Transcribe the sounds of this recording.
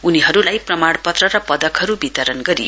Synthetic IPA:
uniɦʌɾulajprʌmaɽpʌt̪rʌɾʌpʌd̪ʌkɦʌɾubit̪ʌɾʌnɡʌɾḭj

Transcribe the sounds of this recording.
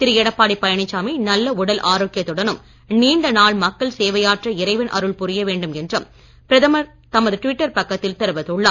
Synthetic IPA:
t̪ɪɾɯjɛɽɐpːaːɽipːɐjɐɳɪt͡ʃːaːminɐlːɐʊɽɐlʔaːɾoːkːɪjɐt̪ːɯɽɐnɯm | niːnd̪ɐnaːɭmɐkːɐɭseːʋɐjaːʈrɐɪɾɐɪʋɐnʔɐ̰ɾɯɭpʊɾɪjɐʋeːɳɖɯmɛndrɯm | pɪɾɐðɐmɐɾ | t̪ɐmɐðɯʈʊʋɪʈːɐɾpɐkːɐt̪ːɪlt̪ɛɾɯʋɐðɯɭːaː

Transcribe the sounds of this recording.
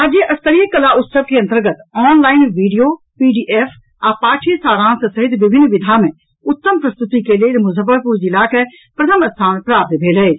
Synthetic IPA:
ad͡ʒeʔɐst̪əɾiəkːɐlaʔʊt̪səʋkeɐ̃nt̪əɾɡət̪ɔːnlaːɪnʋiːɖijoː | piːɖiːʔeːf | aːpaːʈʰisaːɾãːnsesɐɦɪt̪ʋɪbʱɪnʋɪd̪ʱamɛ̃ | ʊt̪ːəmpɾɐst̪ʊt̪ikeleɾmʊzəbəɾpuɾd͡ʒilaːkɛ | pɾɐt̪ʰəmɐt̪sʰaːnpɾaːp̚t̪bʱeːlɐeː

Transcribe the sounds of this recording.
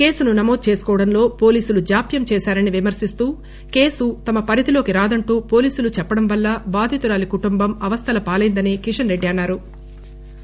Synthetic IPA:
ke̞ːsununɐmoːd̪̚t͡ʃe̞ːsu̥kɔːʋɐɽɐnlo̞ːpo̞ːliːsulud͡ʒaːpjɐmt͡ʃɛːsaːɾɐniʋimɐɾsist̪uː | ke̞ːsut̪ɐmɐpɐɾid̪ilo̞ːkiɾaːd̪ɐɳʈuːpo̞ːliːsulut͡ʃɛpːɐɽɐmʋɐlːɐbaːd̪ʱit̪uɾaːlikuʈumbɐmɐʋɐst̪ʰɐlɐpaːlɐjnd̪ɐneːkiʂɐnɾe̞ɖːiɐnːaːɾu

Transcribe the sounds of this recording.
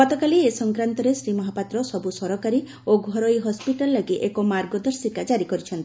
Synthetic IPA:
ɡɔt̪ɔkaliesɔŋkɾant̪ɔɾesɾimɔɦapat̪ɾɔsɔbusɔɾɔkaɾi | oɡʱɔɾɔjɦɔspiʈalːaɡiʔekomaɾɡɔd̪ɔɾsikad͡ʒaɾikɔɾit͡ʃʰɔnt̪i

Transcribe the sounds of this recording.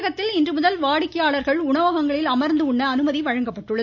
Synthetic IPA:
ɣɐt̪ːɪlɪndrɯmʊðɐlʋaːɽɪkːɐjaːɭɐɾɣɐɭʊɳɐʋɐɣɐŋɡɐɭɪlɐmɐɾnd̪ɯʊɳːɐːnɯmɐðiʋɐɻɐŋɡɐpːɐʈːɯɭːɐ

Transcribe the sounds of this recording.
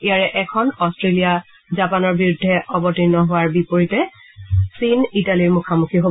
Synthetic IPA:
ejaɹɛʔɛkʰɔnɔstɹelija | zapanɔɹbiɹʊdʱːɛʔɔbɔtinːɔɦʊaɹbipoɹitɛ | sinitaliɹmukʰamukʰiɦo

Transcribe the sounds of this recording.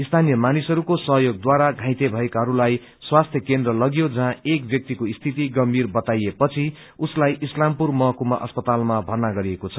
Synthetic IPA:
ist̪ʰanijʌmanisɦʌɾukosʌɦjoɡ̚d̪waɾaɡʱãj̃t̪ebʱʌekaɦʌɾulaj | swast̪ʰjʌkend̪rʌlʌɡijod͡zʌɦãek̚bjʌk̚t̪ikoist̪ʰit̪iɡʌmbʱirbʌt̪ajepʌt͡sʰi | uslajʔislampurmʌɦkumaʔʌspʌt̪almabʱʌrnaɡʌɾiekot͡sʰʌ̥

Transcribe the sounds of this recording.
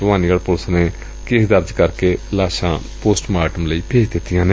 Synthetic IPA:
ʋãːniɡəɽpʊlsne | keɦd̪əɾd͡ʒkəɾkelaːʃã | poːsʈmaːʈəmləipʰeːd͡ʒd̪et̪ijãːne

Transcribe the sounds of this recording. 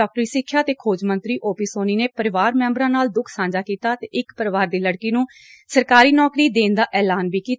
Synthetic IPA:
ɔːk̚ʈɾiːsɪkʰːjaːt̪eːkʰoːd͡ʒmə̃nt̪ɾiːʔoːpiːsoːniːneːpəɾɪʋaːɾmɛ̃ːmbɾãːnaːld̪ʊkʰsãːd͡ʒaːkiːt̪aːt̪eːʔɪkpəɾʋaːɾd̪iːləɽkiːnũː | səɾkaːɾiːnɔːkɾiːd̪eːnd̪aːʔɛːlaːnʋiːkiː

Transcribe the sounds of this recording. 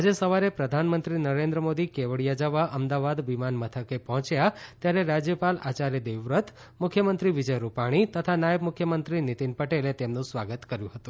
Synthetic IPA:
ad͡ʒesəʋaɾepɾəd̪ʱanmənt̪ɾinəɾend̪ɾəmod̪ikeʋəɭijad͡ʒəʋaʔəmd̪aʋad̪ʋimanmət̪ʰəkepɔɦɔ̃t͡ʃjat̪jaɾeɾad͡ʒjəpalat͡ʃaɾjəd̪eʋɾət̪ʰ | mʊkʰjəmənt̪ɾiʋid͡ʒəjɾupaɽ̃it̪ət̪ʰanajəbmukʰjəmənt̪ɾinit̪inpəʈelet̪emnũsʋaɡət̪kəɾjũɦət̪ũ

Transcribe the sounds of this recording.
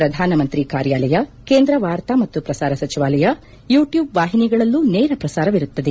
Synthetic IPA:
ɾɐd̪ʱaːnɐmɐnt̪ɾikaːɾjaːlɐjɐkeːnd̪ɾɐʋaːɾt̪amɐt̪ːupɾɐsaːɾɐsɐt͡ʃiʋaːlɐjɐ | juːʈjuːbʋaːɦiniɡɐɭɐlːuneːɾɐpɾɐsaːɾɐʋiɾut̪ːɐd̪e

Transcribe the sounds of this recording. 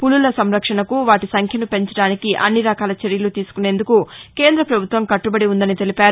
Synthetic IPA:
pululɐsɐmɾɐkʂɐɳɐkuʋaːʈisɐŋkʰjɐnupe̞ɲt͡ʃɐɽaːnikiʔɐ̰nːiɾɐkaːlɐt͡ʃeɾjɐlut̪iːsu̥kune̞ːnd̪ukuke̞ːnd̪ɾɐpɾɐbʱut̪ʋɐmkɐʈːubɐɽiund̪ɐnit̪e̞lipaːɾu

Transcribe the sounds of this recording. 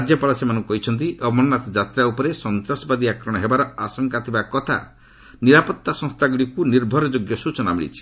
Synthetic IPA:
ad͡ʒjɔpalasemanɔŋkɔɦit͡ʃʰɔnt̪̬iʔɔbmɔnːat̪ɔd͡ʒat̪ɾaupɔɾesɔnt̪ɾasbad̪iakɾɔɽ̃ɔɦebaɾɔasɔŋkat̪ʰibakɔt̪ʰa̰ | niɾapɔt̪ːasɔ̃ŋst̪ʰaɡuɽikuniɾbʱɔɾɔd͡ʒoɡjɔsut͡ʃɔnamiɭḭt͡ʃʰi̥

